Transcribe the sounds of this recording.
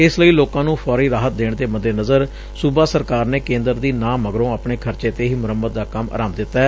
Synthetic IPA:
ɪsləiːloːkãːnũːpʰɔːɾiːɾaːɦət̪̚d̪eːɳd̪eːməd̪eːnəzəɾ | subaːsəɾkaːɾneːkẽːnd̪əɾd̪iːnãːməɡɾõːəpɳeːkʰəɾt͡ʃeːt̪eːɦiːmʊɾəmːət̪̚d̪aːkəma̰ːɾaːmd̪ɪt̪ːaːɛː

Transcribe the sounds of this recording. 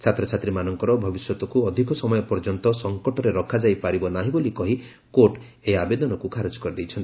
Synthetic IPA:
t͡ʃʰat̪ɾɔt͡ʃʰat̪ɾimanɔŋkɔɾɔbʱɔbisjɔt̪ɔkuɔd̪ʱikɔsɔmɔjɔpɔɾd͡ʒɔnt̪ɔsɔŋkɔʈɔɾeɾɔkʰad͡ʒajpaɾibɔnaɦĩbolikɔɦi | koʈ | eabed̪ɔnɔkukʰaɾod͡ʒɔ̥kɔɾid̪ejt͡ʃʰɔnt̪i

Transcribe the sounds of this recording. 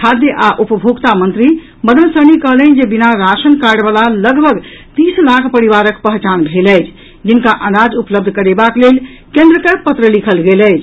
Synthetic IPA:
kʰad̪jəʔaʔupəbʱoɡt̪amənt̪ɾi | məd̪ənsənikəɦlənd͡ʒebinaɾasənkaɾɖbalaləɡbʱəɡt̪islakʰpəɾiβaɾəkpəɦt͡ʃanbʱelɛjt͡ʃʰ | d͡ʒinkaʔənad͡ʒupləb̚d̪ʱkəɾebaklel | kẽnd̪ɾəkəpət̪ɾəlikʰəlɡelɛjt͡ʃʰ

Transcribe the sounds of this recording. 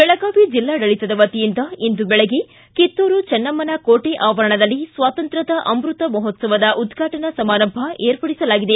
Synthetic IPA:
b̥ɛɭɐɡaːʋid͡ʒilːaːɖɐɭit̪ɐd̪ɐʋɐt̪ijind̪ɐind̪ubɛɭeɡe | kit̪ːoːɾut͡ʃɛnːɐmːɐnɐkoːʈeʔaːʋɐɾɐɳɐd̪ɐlːisʋaːt̪ɐnt̪ɾɐd̪ɐʔɐmɾut̪ɐmɐɦɔt̪sɐʋɐd̪ɐʔud̪ɡʱaːʈɐnɐsɐmaːnɐmbʱɐeːɾpɐɽisɐlaːɡid̪e

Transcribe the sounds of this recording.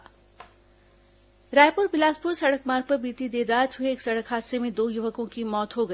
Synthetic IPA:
ɾaːjpʊɾbɪlaːspʊɾsɐɽəkmaːɾpɐɾbiːt̪id̪eːd̪aːd͡ʒɦʊeeːksɐɽəkɦaːd̪semẽd̪oːjʊʋəkõkimɔːt̪ɦoɡɐi

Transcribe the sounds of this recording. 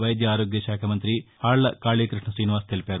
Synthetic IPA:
ʋɐjd̪jɐaːɾoːɡjɐʃaːkʰɐmɐnt̪ɾihaːɭːɐkaːɭikɾɨʂɳɐsiːniʋaːst̪ʰelpeːɾu

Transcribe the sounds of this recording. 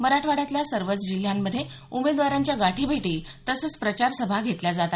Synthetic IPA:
məɾaʈʰʋaɽjat̪ljasəɾʋət͡sd͡ʑil̤jamːəd̪ʱːje | umed̪ʋaɾaɲt͡ɕjaɡaʈʰiːbʱeʈiːt̪əsət͡spɾət͡ɕaɾsəbʱaɡʱet̪ljad͡zat̪a

